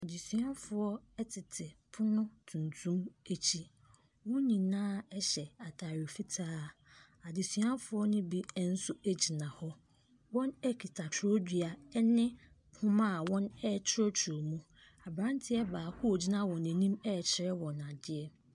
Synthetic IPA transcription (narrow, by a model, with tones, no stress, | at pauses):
a˨di˨sɥã˦fʊ˨ɔ˦ɛ˦tʰɪ˨tʰɪ˨pʰʊ˦nʊ̃˦tʰũ˨ntʰũ˦me˦t͡ɕʰi˦ | wʊ̃˦ɲĩ˨nãː˦ɛ˦ɕɛ˨a˨tʰa˨ɾi˨fi˦tʰaː˦ | a˨di˨sɥã˦nfʊ˦ɔ˦nʊ̃˦bi˦n̩˦sʊ˦æ˦d͡ʑi˨nã˨hɔ˦ | wɔ̃˦nɛ˦kʰi˨tʰa˨tʰo˦dᶣi˨a˨ɛ˦nɪ̃˦ | pʰʊ̃˦mã˦˨wɔ̃˦nɛ˦˨t͡ɕʰɪ˦ɾɔ˦tʰɾo˨mũ˦ | a˨bɾã˦ntʰɪ˦ɛ˦baː˨hʊ˦o˨d͡ʑi˦nã˦wɔ̃˨nɛ̃˨nĩ˦mɛ˦˨t͡ɕʰɪ˨ɾɛ˦wɔ̃˨na˨dɪ˦ɛ˦